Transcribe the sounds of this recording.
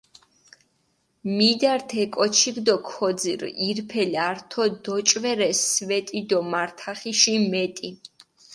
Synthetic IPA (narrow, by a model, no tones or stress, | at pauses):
mid̪aɾt̪ʰɛkʼɔt͡ʃʰiɡd̪ɔkʰɔd̪zḭɾiɾpʰɛliaɾt̪ʰɔd̪ɔt͡ʃʼvɛɾɛsvɛt̪ʼid̪ɔmaɾt̪ʰaχiʃimɛt̪ʼi